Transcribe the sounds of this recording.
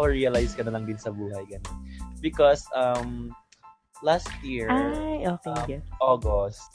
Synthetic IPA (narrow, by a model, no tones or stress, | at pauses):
ɹiɐlajskɐnɐlɐŋd̪ɪnsɐbuːɦɐjɡɐnonbɪkɔsʔɐm | last̪̚jiɹaoːkmʔoːɡost̪̚